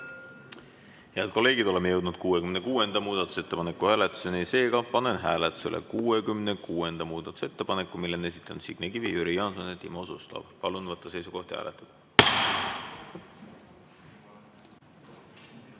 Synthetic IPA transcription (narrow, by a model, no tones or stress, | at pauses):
heæd̪̥̚ko̞lːe̞ːɡid̪̥o̞le̞mːeje̞wd̪̥nud̪̥̚kuːe̞kymne̞kuːe̞nd̪̥ɑmuːd̪̥ɑt̪ːˑu̥se̞t̪ːe̞pɑne̞kːˑuhæːlet̪ːˑu̥senise̞ːɡ̥ɑpɑne̞nɦæːlet̪ːˑu̥se̞lḛkuːekymnekuːe̞nd̪̥ɑmuːd̪̥ɑt̪ːˑu̥se̞t̪ːe̞pɑnekːˑumilːene̞sit̪ːˑɑnud̪siɡ̥nekivijyɾijɑnsonet̪ːimosust̪ɑ̰b̥pɑlunvɤt̪ːˑɑse̞jsuko̞ht̪ihæ̰ːlet̪ːˑɑd̪̥